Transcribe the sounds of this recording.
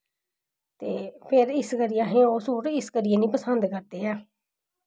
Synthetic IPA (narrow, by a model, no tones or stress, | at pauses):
t̪eːpʰɪɾɪskəɾɪjãːɦẽːoːsuːɾɪskəɾɪãːnĩːpəsənd̪kəɾd̪eːaː